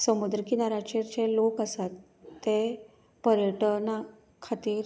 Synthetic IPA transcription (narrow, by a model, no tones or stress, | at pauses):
səmud̪ɾəkinaɾat͡ɕeɾt͡ɕelokəsat̪ː | e | pəɾjəʈəna | kʰat̪iːɾ